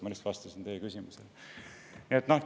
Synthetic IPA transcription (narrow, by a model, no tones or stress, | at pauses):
melist̪vɑst̪ɑsint̪eːkysʲimusel | niet̪noh